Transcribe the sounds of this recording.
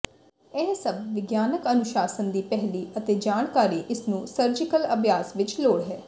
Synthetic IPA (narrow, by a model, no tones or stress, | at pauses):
ɛɦsəbʋɪɡjaːnəkənʊʃaːsənd̪iːpɛɦliːət̪eːd͡ʒaːɳ̃kaːɾiːʔɪsnũːsəɾd͡ʒɪkələbʱjaːsʋɪt͡ʃloːɽɦɛː